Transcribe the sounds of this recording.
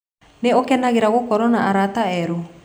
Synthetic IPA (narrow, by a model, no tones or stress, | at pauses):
neokɛnaɣeɾaɣokɔɾɔnaaɾataɛɾo